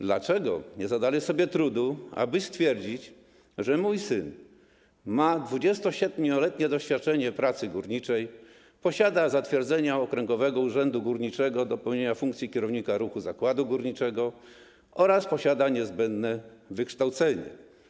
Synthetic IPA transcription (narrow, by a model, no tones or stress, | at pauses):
d̪lat͡ʂɛɡɔ̰ɲɛzad̪alɛsɔbʲjɛt̪ɾud̪ua̰bɘst̪fʲjɛɾd͡ʑit͡ɕ | ʐɛmujsɘn | mad̪vud͡ʑɛst̪ɔɕɛd̪mɲʲɔlɛt̪ɲɛd̪ɔɕfʲjat̪̚t͡ʂɛɲɛpɾat̪sɘɡuɾɲit͡ʂɛj | pɔɕad̪azat̪fʲjɛɾd̪zɛɲaɔkɾɛŋɡɔvɛɡɔuʐɛnd̪uɡuɾɲit͡ʂɛɡɔd̪ɔpɛwɲeɲafuŋkt̪sʲikʲɛɾɔvɲikaɾuxuzakwad̪uɡuɾɲit͡ʂɛɡɔ | ɔɾaspɔɕad̪aɲɛzbɛnd̪nɛvɘkʂt̪awt̪sɛɲɛ̰